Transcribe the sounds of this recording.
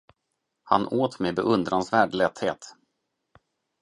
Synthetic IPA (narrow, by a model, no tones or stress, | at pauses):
ha̰noːt̪meːbɛ̰ʔɵnd̪ɾansvæːɖlɛt̪heːt̪